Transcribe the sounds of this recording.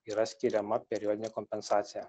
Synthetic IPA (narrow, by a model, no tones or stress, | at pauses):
iːɾɐsʲkʲiɾʲɛmɐpʲɛɾʲɪjɔːd̪ʲɪnʲekɔmʲpʲɛnsɑːt̪sʲɪjɛ